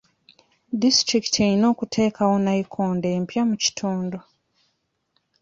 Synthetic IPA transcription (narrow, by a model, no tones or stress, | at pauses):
distɾiki̥tʰejino̞ːkutʰe̞ːkʰawo̞naikʰoːnde̞ːmpjamuci̥tʰuːndo